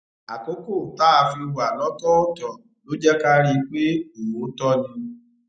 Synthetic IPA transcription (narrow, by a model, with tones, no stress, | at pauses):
a˨ko˦ko˦˨ta˦˧fi˧wu˨a˨lɔ̃˨˦tɔ˦o˦tɔ˨ | lo˦d͡ʒɛ˦ka˦ɾi˧k͡pe˦o˨wo˨˦tɔ˦nĩ˧